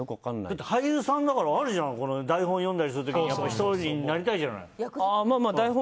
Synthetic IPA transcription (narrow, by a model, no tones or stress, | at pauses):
jokɯakanːd̪at̪ːehajɯːsãnd̪akaɾaβːɾɯʑãko̞no̞d̪aihõjõ̞nd̪aɾʲis̬ɨɾɯt̪o̞kiɲijapːaiçi̥t̪oɲinaɾʲit̪aiʑana̰iamaːmaːd̪aihõ